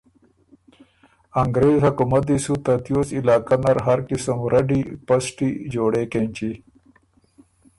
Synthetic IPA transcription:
ɐŋɡɾeːzhɐkumɐt̪̚d̪isut̪ɐt̪josilaːkɐnɐɾɦɐɾkɪsəmɾʔɐɖipɐsʈid͡ʒoːɽeːkent͡ɕi

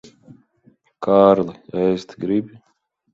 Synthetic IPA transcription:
kʰaːɾlˠɨɛjst̪ɡɾibʲi

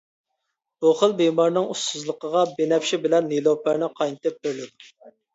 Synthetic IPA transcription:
b̥uχəlˠbemɑɾnɨŋust̪uzlˠəqəʁɑbenɛpʃibɪlɛnːilˠopæɾnɪqʰɑjnɨt̪ɪp̚beɾlɪd̪u

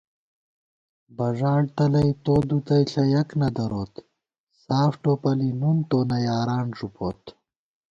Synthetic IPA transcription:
bɐʐaːɽt̪ɐlɐjt̪oːd̪ut̪ɐjɬɐjɐknɐd̪ɐɾoːt̪ | saːfʈopɐlinunt̪oːnɐjaːɾaːɳʐupʰoːt̪

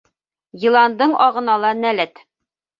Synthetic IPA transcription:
jĭlˠɑnd̪ɤɴʔɒʁɤ̆nɑlˠɑnælɘt̪

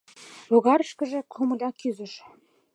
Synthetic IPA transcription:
loɣɑɾəʃkə̆ʒĕkʰomɤ̆lʲɑkyzə̆ʃ

